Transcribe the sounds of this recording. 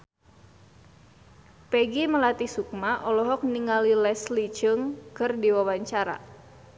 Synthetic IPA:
peɡiməlat̪isuk̚maʔɔlɔɦɔk̚niŋalilɛslid͡ʒəŋkɨrdiwawaɲt͡ʃaɾa̰

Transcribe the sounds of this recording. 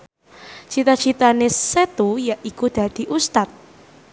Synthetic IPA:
t͡ʃit̪at͡ʃʰit̪aneset̪ujaʔikud̪̥ä̤d̪̥i̤ʔust̪at̪̚

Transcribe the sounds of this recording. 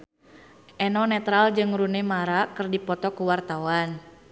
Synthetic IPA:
ʔɛnɔnɛt̪ɾald͡ʒɨŋɾunɛmaɾakɨrdipɔt̪ɔkuwart̪awan

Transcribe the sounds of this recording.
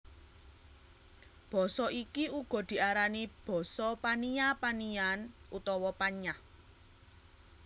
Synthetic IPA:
b̥ɔ̤sɔʔikiuɡ̥ɔ̤d̪̥i̤aɾanib̥ɔ̤sɔpaniapanianʔut̪ɔwɔpaɲa

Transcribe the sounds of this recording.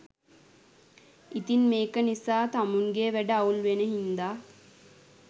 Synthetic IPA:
it̪inmeːkənisaːt̪amuŋɡeʋæɖəaulʋenəɦind̪aː

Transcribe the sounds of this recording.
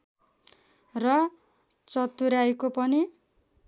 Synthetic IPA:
rʌ | t͡sʌt̪uɾaekopʌni

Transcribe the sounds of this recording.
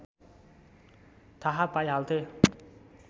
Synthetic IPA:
t̪ʰaɦapajalt̪ʰe

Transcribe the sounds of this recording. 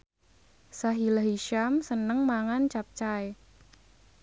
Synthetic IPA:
saɦilaɦiʃamsənəŋmaŋant͡ʃap̚t͡ʃae

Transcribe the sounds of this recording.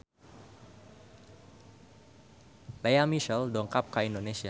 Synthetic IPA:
lejamiʃɛldɔŋkap̚kaindonesia

